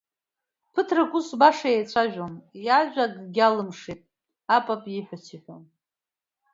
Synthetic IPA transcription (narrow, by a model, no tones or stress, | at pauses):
pʰɨtʰrakʷʼʊsbaʂaejt͡ɕʷʰaʒᶣomjaʒʷᶣaɡɡʲalɨmʂitʼ | apʼapʼjiħʷᶣat͡ʃʰiħʷᶣo̰m